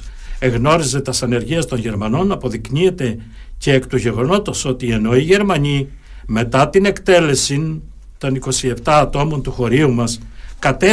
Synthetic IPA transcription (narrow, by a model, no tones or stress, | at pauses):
e̞ɣno̞ɾize̞t̪ɐsɐne̞ɾʝiɐst̪o̞nʝe̞ɾmɐno̞nɐpo̞ðiknie̞t̪e̞ | ceekt̪uʝe̞ɣo̞no̞t̪oso̞t̪ie̞no̞iʝe̞ɾmɐɲi | me̞t̪ɐt̪ine̞kt̪e̞le̞sin | t̪o̞niko̞sie̞ft̪ɐːt̪o̞mo̞nt̪uxo̞ɾiumɐskɐt̪e